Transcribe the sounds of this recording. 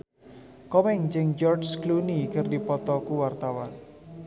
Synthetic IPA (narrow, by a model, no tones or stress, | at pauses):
kɔmɛŋd͡ʒɪŋd͡ʒɔrt͡ʃklunikərdipɔt̪ɔkuwart̪awan